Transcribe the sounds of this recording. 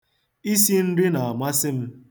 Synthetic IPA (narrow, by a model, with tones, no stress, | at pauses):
i˦si˦n̩˦ɾɪ˦na˨a˨ma˦sɪ˦m̩˦